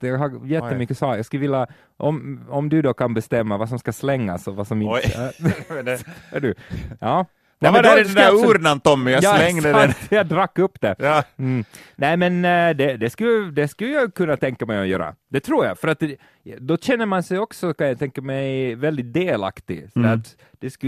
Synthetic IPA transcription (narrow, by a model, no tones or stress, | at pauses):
jɑːɡɦajɛt̪ːəmʏkːəsɑːkjɑɡskləvɪlːa | ʔɔmɔmd̪ʉd̪ɔkʰanbɛst̪ɛmːavas̬ɔmskaslɛŋːa̰sɔvasɔmɪn | æ̰ɖʉjɑː | nɛɛdɾɛɛæʉːɾnant̪ɔmːjaɑlɛŋːd̪əɛjɑd̪ɾakːɵpːd̪ɛ | nɛɪmɛnd̪ɛd̪ɛskɵlːəd̪ɛskʉlːəjakʰɵnːat̪ʰɛŋkamɛjɔjœ̰ːɾa̰d̪̥ɛt̪ʰɾuːɾjɑ̰fœɾat̪ | d̪ɔɕɛnːəɾmansɛjɔksɔkanjat̪ʰɛŋkəmɛjvɛld̪ɪt̪̚d̪eːla̰kt̪ɪsɔd̪æɾat̪ | d̪̥ɛsk